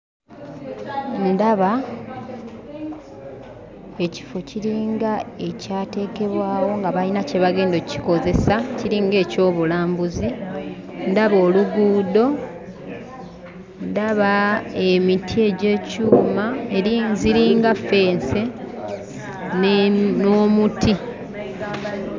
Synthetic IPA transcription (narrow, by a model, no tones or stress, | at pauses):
ndaβa | e̞ci̥fo̞ciɾiːŋɡae̞caːte̞ːke̞βwaːwo̞ŋɡaβalinace̞βaɡe̞ːndoci̥ko̞ze̞saciɾiːŋɡe̞ːco̞ːβulaːmbuzi | ndaβo̞ːluɡuːd̪o̞ | ndaβaemitʰie̞ɟe̞ːcuːmaeɾiziɾiːŋɡafe̞ːnse̞ | noːmutʰi